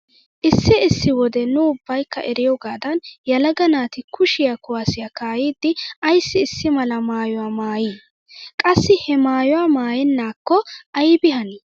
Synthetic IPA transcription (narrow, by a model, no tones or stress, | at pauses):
ʔɪsːɪɪsːɪwɔd̪ɛnʊʊbːɐjkːɐ̰ʔɛɾɪjɔɡaːd̪ɐnjɐlɐɡɐnaːt̪ɪkʊʃɪjakʊwasɪjɐkaːjiːd̪ːɪɐjsːɪːsːɪmɐlɐmaːjɔwaːmaːjiː | kʼɐsːɪhɛmaːjɔwaːmaːjɪnːaːkːɔʔɐjbɪɦɐni